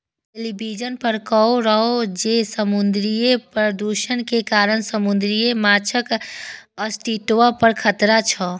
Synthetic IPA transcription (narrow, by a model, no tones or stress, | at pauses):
ʈelibid͡ʒənpəɾkɔoɾəɦod͡ʒesəmund̪ɾijepɾəd̪uʃənkekaːɾənsəmund̪ɾijemat͡ʃʰək | əst̪it̪ʋapəɾkʰət̪ɾat͡ʃʰɔ